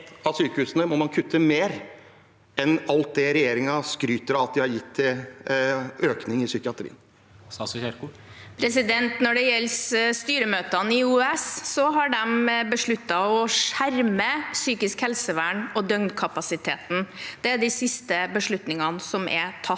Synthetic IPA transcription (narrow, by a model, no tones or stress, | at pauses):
ɑsyːkəhʉːsnəmɔmɑnkʰʉt̪ʰːəmeːɾ | ɛnɑlt̪̚d̪ɛɾɛjeːɾɪŋɑskɾyːt̪əɾɑt̪̚d̪ɪhɑɾjɪt̪ʰːɪl | øːknɪŋɪsʏkəɑt̪ʰɾḭːən | ssɛk | pʰɾɛsɪd̪ɛnt̪nɔɖɛjɛlsst̪yːɾəmøːt̪ɑnɪuːɛsːɔɦɑɖɛmbəʂɭʉt̪ːɑɔʂæɾməsyːkɪskhɛlsəʋæːɳɔd̪œŋnkʰɑpɑsɪt̪ʰeːt̪n̩d̪̥ɛæɖ̪ɪsɪst̪əbəʂɭʉt̪nɪŋɑnəsɔmʔɛ̰t̪ʰɑ